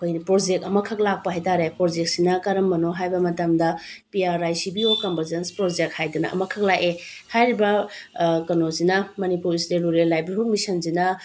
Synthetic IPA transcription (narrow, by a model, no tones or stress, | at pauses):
ɐkʰojnipɾod͡ʒek̚tɐmɐkʰɐk̚lak̚pɐɦajtaɾepɾod͡ʒek̚sinɐkɐɾɐmːɐnoɦajbɐmɐtɐmdɐpiaɾajsibiokɐmbʱɐɾzenspɾod͡ʒek̚t̚hajdunɐ̰ʔɐ̰mɐkʰɐk̚lake | hajɾibɐ | kɐnozinɐmɐnipuɾisɾeluɾelajbiɾhuk̚misɐnzinɐ